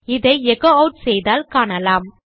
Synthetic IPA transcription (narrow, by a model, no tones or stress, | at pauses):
ɪðɐɪɛkoːɐʊʈsɛjðaːlkaːɳɐlaːm